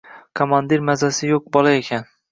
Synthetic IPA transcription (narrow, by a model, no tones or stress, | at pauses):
kʰomand̪iɾmazasɪjoq̚bɒlˠaekʲʰan